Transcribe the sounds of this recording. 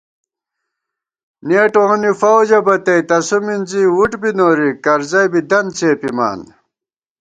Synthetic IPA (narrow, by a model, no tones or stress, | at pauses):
neːʈõːnifɐwd͡ʑɐbɐt̪ɐjt̪ɐsuminziwuʈbinoːɾikɐɾzɐjbid̪ɐnt͡seːpima̰ːn